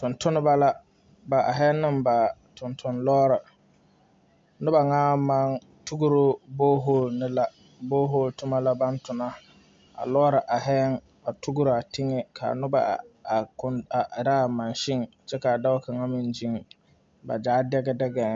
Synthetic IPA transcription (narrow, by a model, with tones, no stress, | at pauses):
tʊ˨ntʊ˦nɪ˦ba˦la˦ | ba˨ʔa˨ɦɛ˦nːɪ˦mba˨tʰʊ˨ntʰʊ˦nlɔː˦ɾa˨ | nʊ˦ba˨ŋaː˦ma˦ŋ | tu˦ɡʊ˦ɾo˦boː˦ɦo˦˨lnɪ˦la˦ | boː˦ɦo˦˨ltʊ˦ma˦la˦ba˦ntʊ˨na˦ | a̰˨lɔː˦ɾa˨ʔa˨ɦɛ˦ŋ | a˨tu˦ɡʊ˦ɾa˨tʰɪ˦ŋɛ˦kʰa̰˨nʊ˦ba̰˨kʊ˨na˨ɾa˦˨ma˨nʃɪ˦ŋ | t͡ʃɛ˦ka˨da˦ka˨ŋa˦mi˨nd͡ʒi˦ŋ | ba˨d͡ʒaː˦dɛ˦ɡɛ˦dɛ˦ɡɛ˨